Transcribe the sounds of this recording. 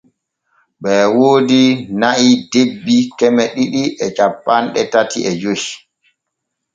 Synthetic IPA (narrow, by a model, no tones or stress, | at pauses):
ɓɛːwoːdinaʔidebːikɛmɛɗiɗiʔɛt͡ʃapːanɗɛtatiʔɛd͡ʒohi